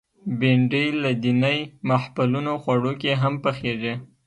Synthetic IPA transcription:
beɳɖəjlad̪inəjmahpalunoxwaɽokeɦampəxeʐi

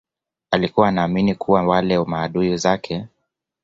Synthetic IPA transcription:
alikuwaːnaːminikʰuwawalɛmaːɗuizakʰɛ

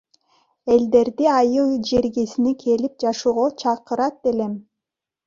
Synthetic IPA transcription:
e̞ld̪e̞ɾd̪iɑjɯlˠd͡ʒeɾɡesinikʰe̞lip̚d͡ʒɑʃuːʁot͡ʃʰɑqɯɾɑt̪̚elem

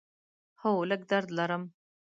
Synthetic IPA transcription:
howlək̚d̪aɾd̪laɾəm

